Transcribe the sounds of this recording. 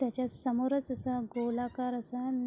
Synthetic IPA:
jat͡ɕjasəmoɾət͡səsaɡolakaɾəsan

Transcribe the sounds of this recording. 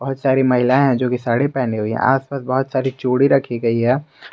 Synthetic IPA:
b̥ɐɦʊt̪saːɾimɐɦɪlaẽɦɛ̃d͡ʒoːkisaːɽepɛːneɦuiɦɛ̰̃a̰ːspaːsbɐɦʊt̪saːɾit͡ʃoːɽiɾɐkʰiɡɐiɦɛː

